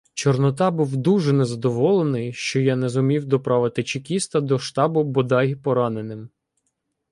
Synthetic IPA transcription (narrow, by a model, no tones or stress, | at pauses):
t͡ʃɔrnɔt̪ɑbuwd̪uʒɛnɛzɐd̪ɔʋɔlˠenɪjʃt͡ʃɔjanɛzʊmʲiwd̪ɔpɾɑʋɪt̪ɪt͡ʃɪkʲist̪ɐd̪ɔʃt̪ɑbʊbɔd̪ɑjpɔɾɑnenɪm